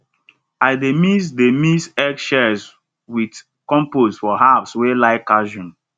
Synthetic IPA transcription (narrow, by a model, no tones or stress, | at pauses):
aɪdemisdemisɛkʃɛs | wid | kɔ̃mposfɔɦapswelaɪkaʒɔ̃n